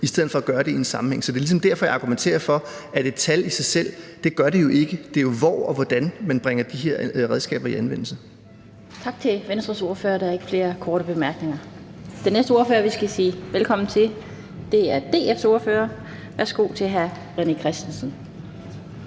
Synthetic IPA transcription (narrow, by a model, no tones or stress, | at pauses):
isd̥eð̰̩ˠfɒ̽æɡ̥ɶːɐɾeiensɑ̈mm̩heŋ̰sɒ̽d̥e̝ɐlisɒ̽md̥æɐ̰fɒ̽jɑ̈ɡ̥ument͡sʰe̝̰ːɐfɒ̽ʔæd̥e̝̥t͡sʰælisɑ̈ɪsel̰d̥e̝ɡ̥ɶɐɾe̝jo̝ʔe̝ɡ̥əd̥e̝jo̝ʋɒ̰ɒ̽ʋɒd̥ænmænb̥ʁeŋɐd̥iɦeɐ̰ʁɛð̞ˠsɡ̥ɛ̰ːb̥ɐiænʋen̰l̩sə | t͡sʰɑ̈ɡ̥t͡sʰe̝ʋensd̥ʁɐso̝ɐfø̰ːɐɾ̥ɑ̈æɐe̝ɡ̥əfle̝ːɐkʰɒːɾ̥əb̥e̝mæɐɡ̥ne̝ŋɐd̥enːesd̥əo̝ɐfø̰ːɐʋisɡ̥æsiːʋelkʰɒ̽mn̩t͡sʰe̝l | d̥e̝æɐd̥e̝̰ːefso̝ɐfø̰ːɐ | ʋæɐsɡ̥o̝̰ːt͡sʰe̝ɦæɐ | ʁenikʰʁɛsd̥en̩sn̩